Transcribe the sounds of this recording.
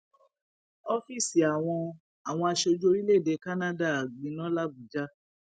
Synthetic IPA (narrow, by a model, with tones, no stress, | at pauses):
ɔ˦fi˦˨si˨a˨w̃ɔ̃˧ | a˨w̃ɔ̃˧a˧ʃe˧o˧d͡ʒo˦˧ɾi˦le˦˨de˨˦ka˦nã˦da˦˨ɡ͡bĩ˨˦nɔ̃˦la˦bu˨d͡ʒa˦